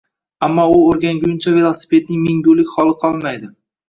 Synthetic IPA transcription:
amːɒʊoɾɡʲanɡʲʊjʊnt͡ʃʰave̞lˠosɪ̥pʰe̞t̪̚nɪŋmɪŋɡolɪkʲχɒlˠɨqʰɒlˠmajd̪ɪ

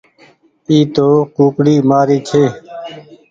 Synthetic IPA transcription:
iːt̪oːkuːkɽiːmaːɾiːt͡ʃʰeː

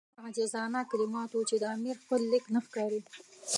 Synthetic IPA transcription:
aɣad͡ʒazɑnakalɪmɑt̪wut͡ʃed̪əamiɾxpəlːɪknaxkɑɾi

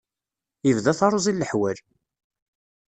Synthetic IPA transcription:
ivðæθɑɾˤʊzˤilːəħwæl

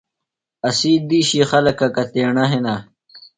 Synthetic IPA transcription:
ɐsiːd̪iːɕixɐlɐkɐkɐt̪eːɳɐɦena

